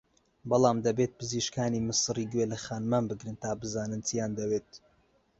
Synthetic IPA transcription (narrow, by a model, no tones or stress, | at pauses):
bɑlˠɑːmd̪ɐbeːt̪̚pɨziʃkaːniːmɨsɨriːɡwelɐxaːnmaːnbɨɡɾɨnt̪aːbɨzaːnɨnt͡sijaːnd̪ɐweːt̪̚